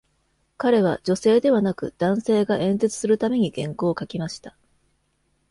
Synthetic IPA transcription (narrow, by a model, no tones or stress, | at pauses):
kaɾe̞βad͡ʑo̞se̞ːd̪e̞βanakɯ̟̰d̪̥ãɰ̃se̞ːɡaʔẽ̞nd͡ze̞t͡sɨ̥sɨɾɯ̟t̪ame̞ɲ̟iɡẽ̞ŋko̞ːkakʲimaɕi̥t̪ḁ